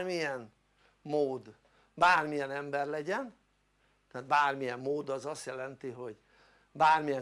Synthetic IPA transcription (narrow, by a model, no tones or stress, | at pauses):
mijɛn | moːd̪ | baːrmijɛnɛmbɛrlɛɟɛn | t̪aːt̪baːrmijɛmːoːd̪ɒzɒst̪jɛlɛnt̪iɦo̞ɟ | baːrmijɛ